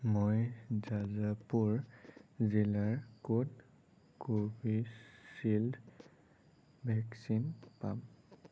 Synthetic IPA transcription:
mojzazapuɹ | zilaɹkod | kobisild | bʱɛksinpam

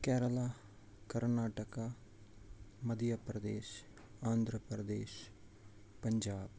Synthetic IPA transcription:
kɛːɾəlaː | kɐɾnaːʈəka | mɐd̪japɾɐd̪eːʃ | aːnd̪ʱɾəpɾəd̪eːʃ | pɐɲd͡ʒaːb

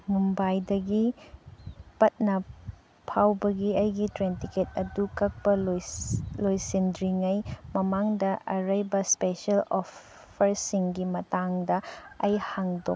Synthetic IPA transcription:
mumbajdɐɡi | pɐt̚nɐ | pʰawbɐɡiɐjɡitɾentiket̚ɐdukɐk̚pɐl | lojsindɾiŋɐjmɐmaŋdɐʔɐɾɐjbɐspesɐlopʰː | ɐɾsiŋɡimɐtaŋdɐɐjhaŋdo

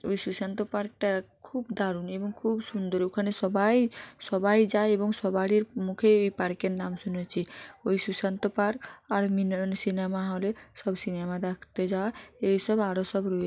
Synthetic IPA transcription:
oisusant̪ɔpaɾk̚ʈakʰubd̪aɾunebɔŋkʰubsund̪ɔɾokʰanesɔbajsɔbajd͡ʒaeebɔŋsɔbaɽiɾmukʰeoipaɾkeɾnamsunet͡ʃʰioisusant̪ɔpaɾkaɾminnsinemaɦalesɔbsinemad̪akʰt̪ed͡ʒaesɔbaɾosɔbɾɔe

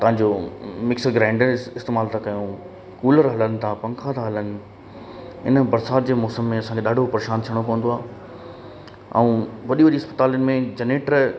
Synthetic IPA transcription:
t̪ɐʋ̤ɦãɲd͡ʑoːmɪksəɡɾãːɪ̃ɳɖəɪst̪eːmaːlt̪ʰãkɐjũ | kuːləɾɦɐlənɪ̆t̪ʰãpɐ̃ŋkʰãt̪ʰãɦɐlənɪ̆ | ɪ̰nə̆bɐɾsaːɾd͡ʑeːmɔːsəmːẽɐsãkʰeɗaːɖʱopɐɾeːʃaːnt̪ʰijəɽ̃okɐːənd̪oaːɦ | ɛ̰ũʋɐɗiʋɐɗiɐspə̥t̪aːljənɪ̆mẽd͡ʑɐneːʈəɾ

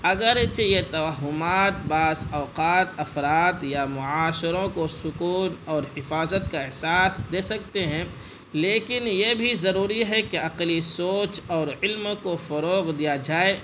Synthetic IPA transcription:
ɐɡəɾt͡ʃejet̪ɐʋaɦʊmaːt̪̚baːzɔːqaːt̪ɐfɾaːt̪jamʊaːʃɾõkosʊkuːnɔːɾhɪfaːzət̪̚kaɪɦsaːsd̪eːsɐk̚t̪eɦɛ̃ | leːkɪnjebʱizɐɾuːɾiɦɛkeɐqlisoːt͡ʃɔːɾɪlmkofɐɾoːɣd̪ijad͡ʒaːe

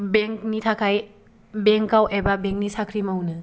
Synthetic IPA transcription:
beŋk̚nitʰakʰaj | beŋkawʔebabeŋk̚nisakʰɾimawnɯ

